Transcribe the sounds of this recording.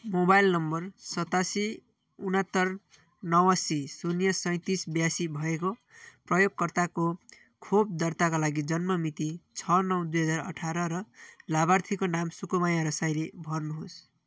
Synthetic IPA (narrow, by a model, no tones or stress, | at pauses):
mobajlnʌmbʌrsʌt̪asi | unʌt̪ːʌr | nʌwasisunjʌsʌj̃t̪isbjasibʱʌekoprʌjoɡ̚kʌrt̪ako | kʰob̚d̪ʌrt̪akalaɡid͡zʌnmʌmit̪it͡sʰʌnʌwd̪ujɦʌd͡zarʌ̰ʈʰaɾʌɾʌlaβart̪ʰikonamsukumajaɾʌsajlebʱʌrnuɦos